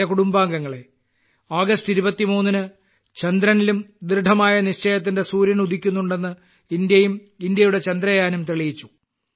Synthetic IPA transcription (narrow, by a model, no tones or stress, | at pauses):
ɐkuɽumbaːŋɡɐŋːɐɭe̞ | aːɡɐstiɾubɐt̪ːimuːnːinɨ | t͡ɕɐnd̪ɾɐnilumd̪rɨɖ̪ʱɐmaːjɐniɕt͡ɕeːjɐt̪̬ːinde̞suːɾjɐnud̪ʱikʲːunːuɳɖe̞nːɨ | ind̪jɐjum | ind̪jɐjuɽe̞t͡ɕɐnd̪rɐjaːnumt̪eɭijit͡ɕːu̥